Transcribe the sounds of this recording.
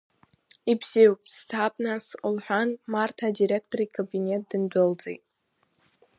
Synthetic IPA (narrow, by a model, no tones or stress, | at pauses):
ibziwpʼstʰapʼnasqʼəlħʷᶣanmartʰadiɾektʰoɾikʰabinet̚ʰʼd̥ɨndʷɨld͡zḛjtʼ